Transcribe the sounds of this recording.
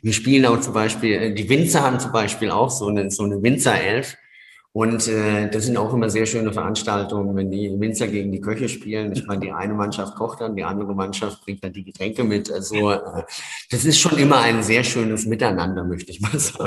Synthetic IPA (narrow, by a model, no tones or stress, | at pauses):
viːɐʃpiːlənaʊxt͡sʊmbaɪʃpiːlɛːdiːvɪnt͡sɐhaːbm̩t͡sʊmbaɪʃpiːla̰ʊxz̥oːnəz̥oːnəvɪnt͡sɐʔɛlf | ʔʊntʔɛːd̥aszɪntaʊxʔɪmɐzeːɐʃøːnəfɛɐʔanʃtaltʊŋənvɛndiːvɪnt͡sɐɡeːɡŋ̩diːkʰœçəʃpiːlənɪçtmaɪnədiːʔa̰ɪnəmanʃaft̚kʰɔχt̚d̥andiːʔandəʁəmanʃaft̚b̥ʁɪŋ̚t̚d̥and̥iːɡətʁ̥ɛŋkəmɪtʔalzoʔɛːd̥asɪstʃoːnʔɪmɐaɪnzeːɐʃøːnəsmɪtaɪnandɐmœçtəɪçmaːlzaːɡŋ̩